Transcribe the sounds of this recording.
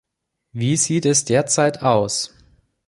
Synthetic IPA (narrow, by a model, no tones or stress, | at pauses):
viːziːtɛsd̥eːɐt͡saɪtʰaʊs